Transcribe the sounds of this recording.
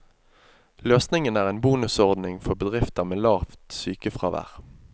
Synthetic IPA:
løːsnɪŋənæːʁeːnbuːnʉsɔʁd̪nɪŋfɔʁbəd̪ʁɪft̪əʁmeːlɑːft̪syːkəfʁɑ̰ʋæ̰ːʁ

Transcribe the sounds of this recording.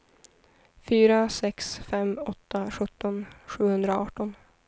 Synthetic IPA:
fyːɾasɛksfɛmːɔt̪ʰːaɧɵt̪ʰːɔnɧʉ̟ːhɵnd̪ɾaɑːʈɔn

